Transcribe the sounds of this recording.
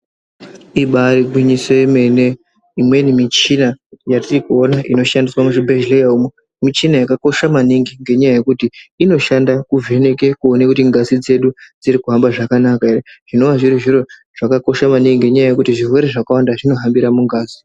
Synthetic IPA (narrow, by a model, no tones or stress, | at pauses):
iɓaɾiɡwiɲiseme̞ne̞ | imwe̞nimit͡ʃinajatirikuo̞naʔino̞ʃandiswamuʐibʱeʒlejaumwe | mit͡ʃinajakako̞ʃamaniŋɡiŋɡe̞ɲajaje̞kutiino̞ʃandakuve̞ne̞kekuonekutiŋɡazid͡ze̞ɗud͡ziɾikuɦambaʐakanakaereʐ̥ino̞ʋaʐiɾiʐiro̞ | ʐ̥akako̞ʃamaniŋɡiŋɡeɲajaje̞kutiʐirwe̞ɾeʐakawandaʐino̞ɦambiɾamuŋɡaːzi